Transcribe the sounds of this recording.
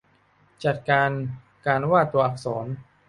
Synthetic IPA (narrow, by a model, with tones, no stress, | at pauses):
t͡ɕa˨˩t̪̚kaː˧n | kaː˧nwaː˥˩t̪u˧ɐʔa˨˩k̚sɔː˩˦n